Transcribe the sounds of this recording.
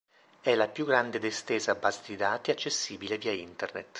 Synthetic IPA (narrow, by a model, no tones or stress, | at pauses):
ɛlapjuɡːɾand̪ed̪est̪eːzaːbːaːzed̪id̪aːt̪iat͡ʃːesːiːbileviːaint̪ernḛt̪